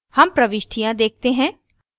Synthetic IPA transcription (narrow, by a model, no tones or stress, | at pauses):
hɐmpɾɐʋɪʃʈʰijãd̪eːk̚t̪eɦɛ̃ː